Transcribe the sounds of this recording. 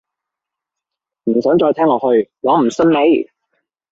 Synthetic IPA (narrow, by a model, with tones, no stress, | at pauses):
m̩˨˩sœː˨˥ŋt͡ʃɔː˧jt̪ʰɛː˥ŋɔː˨˧hɵ˧ɥlɔː˨˥m̩˨˩sɐ˥nme˨˥j